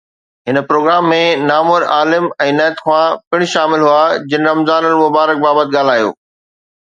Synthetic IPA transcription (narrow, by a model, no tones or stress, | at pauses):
ɦɪnə̆pɾoːɡɾaːmːẽnaːmʊɾaːlɪmɛ̃ːnɛːt̪xwãpɪɽ̃̆ʃaːmɪlɦuaːd͡ʑɪn̆ɾɐmzaːnəlmʊbaːɾək̚baːbət̪ɠaːl̤aːijo̰ː